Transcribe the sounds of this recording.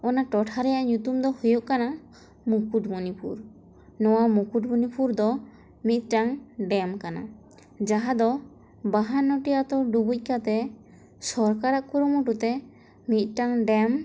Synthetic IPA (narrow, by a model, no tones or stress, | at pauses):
ɔnaʈɔʈʰaɾɛjaʔɲut̪umd̪ɔhujuʔkana | mukuʈmunipʰṵɾ | nɔwamukuʈbunipʰuɾd̪ɔ | mit̪̚ˀʈaŋɖɛmkana̰ | d͡ʒaɦad̪ɔ | baɦanːɔʈijat̪ɔɖubuc̚ˀkat̪ɛ | sɔɾkaɾaʔkuɾumuʈut̪ɛ | mit̪̚ˀʈaŋɖɛm